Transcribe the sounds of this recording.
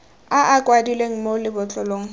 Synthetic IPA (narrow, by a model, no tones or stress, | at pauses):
aʔakʼwadileŋ̩molɪbʊt͡ɬʼɔloːŋ̩